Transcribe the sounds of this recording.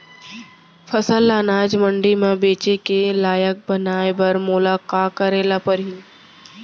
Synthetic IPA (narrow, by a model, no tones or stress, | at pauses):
fʰəsəlːaːnaːd͡ʒmə̃ɳɖimẽbeːt͡ʃekelaːjək̚bənaːebɐɾmʊlaːkaːkəɾeːlapɐɾɦiː